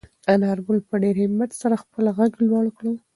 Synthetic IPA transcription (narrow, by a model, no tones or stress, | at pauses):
anɑɾbʊlpəɖeɾhɪmat̪saɾaxpəlɣaɡlwɑɽkɽəl